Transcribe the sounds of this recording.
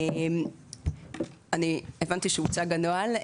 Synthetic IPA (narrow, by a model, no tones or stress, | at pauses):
em | anievant̪iʃeut͡saɡanoal